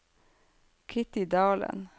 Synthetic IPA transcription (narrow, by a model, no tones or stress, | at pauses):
kʰɪt̪ɪd̪ɑːlə̰n